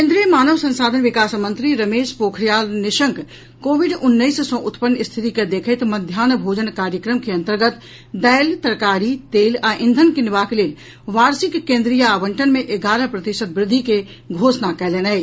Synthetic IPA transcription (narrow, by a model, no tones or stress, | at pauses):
kkẽnd̪ɾijəmaːnəʋsə̃nsad̪ʱənʋikasmənt̪ɾiɾəmeːʃpokʰɾijalniʃəŋk | koːbiɖunːəɪssə̃ʔut̪pənːist̪ʰit̪iked̪ekʰəɪt̪məd̪ʱjaːnbʱod͡ʒənkaɾjəkɾəmkeə̃nt̪əɾɡət̪ | d̪əjlt̪əɾkaɾit̪eːlaʔĩnd̪ʱənkinbakeleːl | ʋaɾsikːẽnd̪ɾijəːbəɳʈənmeʔeɡaɾəpɾət̪isət̪̚bɾɪd̪ʱːike | ɡʱosnakɛlena